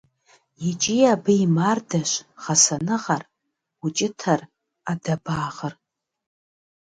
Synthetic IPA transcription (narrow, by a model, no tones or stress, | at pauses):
jit͡ʃʼijabɨjimardaʃʷχasanɨʁar | ut͡ʃʼɪtʰar | adabaːʁər